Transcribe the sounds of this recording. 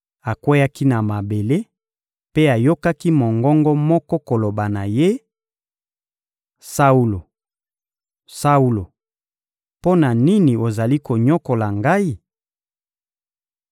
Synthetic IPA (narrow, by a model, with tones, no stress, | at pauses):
a˨kwo˦ja˦ki˦na˨ma˨be˨le˦ | pe˦a˨jo˦ka˦ki˦mo˨ŋɡɔ˦ŋɡɔ˦mɔ˦kɔ˦ko˨lo˨ba˨na˨je˦ | sa˦u˦lo˨ | sa˦u˦lo˨ | po˦na˨ni˦ni˨o˨za˨li˦ko˨ɲɔ˦ko˨la˨ŋɡa˦i˦